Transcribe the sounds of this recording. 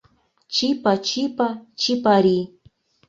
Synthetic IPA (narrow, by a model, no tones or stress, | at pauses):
t͡ʃɪpat͡ʃɪpat͡ʃɪpaɾi